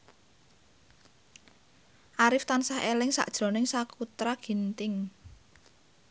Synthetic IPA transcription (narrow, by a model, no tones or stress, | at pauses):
ʔaɾɪft̪ansahelɪŋsa̰ʔd̥ʒ̥ɾɔ̤nɪŋsakut̪ɾaɡ̥i̤nt̪ɪŋ